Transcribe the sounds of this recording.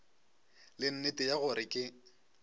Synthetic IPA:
lɪn̩netʼɪjaɣʊɾɪkʼɪ

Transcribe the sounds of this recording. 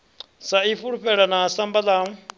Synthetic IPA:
saifuɺuɸɛɺanasambala

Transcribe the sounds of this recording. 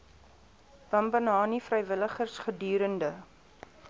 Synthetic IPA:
b̥ɐmbənɑːnifrəjvələχərsχədyːɾəndə

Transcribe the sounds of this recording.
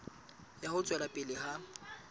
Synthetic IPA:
jahʊt͡sʼwɛlapʼɪlɪɦa

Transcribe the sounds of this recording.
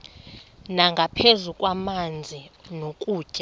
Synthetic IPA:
naŋɡʱapʰezukʼwamand͡zʱinokʼu̥ːʒ̥ʼa

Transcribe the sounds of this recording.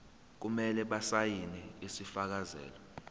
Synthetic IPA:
k̬umɛlɛɓasajinɛisifak̬azɛ̰ːlɔ

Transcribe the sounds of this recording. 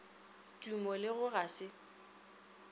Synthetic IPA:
tʼumɔlɪɣʊɣasɪ

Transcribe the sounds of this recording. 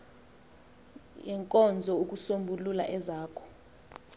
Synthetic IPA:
jɛŋkʼɔnd͡zʱɔuk̬usombʱulula̰ʔɛzaːkʰɔ̥

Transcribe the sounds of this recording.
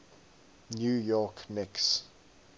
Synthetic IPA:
njujɔkmɪks

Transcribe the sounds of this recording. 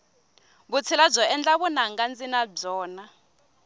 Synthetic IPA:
βut͡sʰilab͡ʐɔɛnd͡ɮaβunaŋɡand͡zinab͡ʐɔːna

